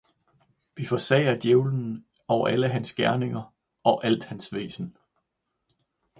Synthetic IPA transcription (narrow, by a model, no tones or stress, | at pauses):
ʋifɒ̽sɛ̰ɪɐd̥jeʊln̩ | ɒʊɐʔæləɦænsɡ̥æɐne̝ŋɐ | ɒ̽ʔæl̰d̥hænsʋe̝̰ːsn̩